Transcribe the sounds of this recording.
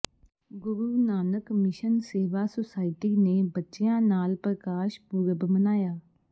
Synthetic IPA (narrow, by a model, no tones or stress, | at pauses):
ɡʊɾuːnaːnəkmɪʃənseːʋaːsosaːɪʈiːneːbətːʃɪjãːnaːlpɾəkaːʃpuɾəbmənaːjaː